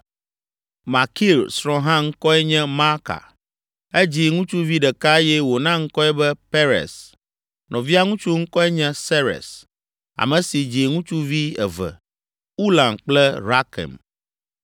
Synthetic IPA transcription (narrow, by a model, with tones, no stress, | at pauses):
ma˨ki˦lsɾ̃ɔ̃˨ɦã˦ŋ̩˦kɔ˦ɛ˦ɲɛ̃˦ma˦ka̰˨ | e˦d͡ʑi˦ŋũ˦t͡ʃu˦vi˦ɖɛ˨ka˦jɛ˦wo˨nã˦ŋ̩˦kɔ˦ɛ˦bɛ˦pe˦ɾḛ˨s | nʔɔ̃˨vi˦a˦ŋũ˦t͡ʃu˦ŋ̩˦kɔ˦ɛ˦ɲɛ̃˦se˦ɾɛ̰˨s | a̰˨mɛ̃˨si˨d͡ʑi˨ŋũ˦t͡ʃu˦vi˦ɛ̰˨vɛ̰˨ | u˦lã˨nk͡plɛ˦ɾa˦kɛ̰˨m